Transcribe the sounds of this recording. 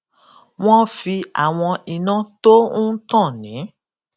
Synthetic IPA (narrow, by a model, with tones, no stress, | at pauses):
w̃ɔ̃˦fi˧a̰˨w̃ɔ̃˧i˨nã˦to˦ũ˦tã˦˨nĩ˨˦